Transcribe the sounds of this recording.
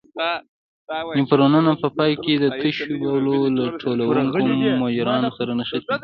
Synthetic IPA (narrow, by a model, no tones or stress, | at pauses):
nɪmpəɾonanapəpɑjked̪ət̪əʃwɑwlolaʈʰolawuŋkumːɑd͡ʒɪɾɑnsaɾanəxət̪i